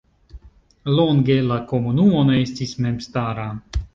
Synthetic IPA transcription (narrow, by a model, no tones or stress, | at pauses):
loŋɡe̞lako̞munumo̞nee̞stisme̞mstaɾa